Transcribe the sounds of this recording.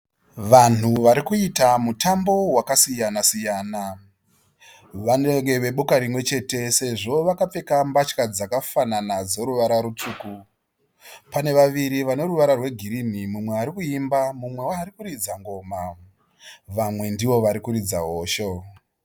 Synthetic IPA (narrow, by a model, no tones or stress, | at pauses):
ʋan̤uʋaɾikuitamutambo̞wakasijanasijaːna | ʋaneŋɡe̞ʋe̞ɓukaɾimwe̞t͡ʃe̞te̞se̞ʐo̞ʋakap͡fe̞kambat͡ʃkad͡zakafananad͡zo̞ɾuʋaɾaɾut͡ʂuːku | pane̞ʋaʋiɾiʋano̞ɾuʋaɾarwe̞ɡʱiɾin̤imumwe̞aɾikuimbamumwe̞waːɾikurid͡zaŋɡo̞ːma | ʋamwe̞ndiʋo̞ʋaɾikuɾid͡zaɦo̞ːʃo